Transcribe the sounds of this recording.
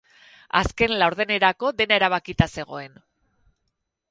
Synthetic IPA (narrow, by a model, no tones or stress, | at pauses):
aske̞nlawɾðe̞ne̞ɾako̞ðe̞nae̞ɾaβ̞akit̪ase̞ɣ̞o̞e̞n